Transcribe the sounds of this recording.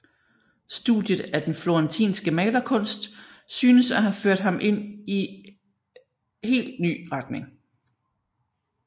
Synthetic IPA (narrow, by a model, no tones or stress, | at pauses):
sd̥ṵd̥jəð̩ˠæd̥enflo̝ɛnt͡sʰḭːnsɡ̥əmɛːlɐkʰɔ̽n̰sd̥syːnəsæɦæføɐ̰d̥ɦɑ̈mʔe̝n̰i | he̝̰ːld̥ny̰ːʁɑd̥ne̝ŋ